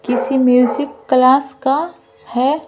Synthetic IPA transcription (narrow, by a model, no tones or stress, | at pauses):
kɪsimjuːzɪkːlaːska | hɛ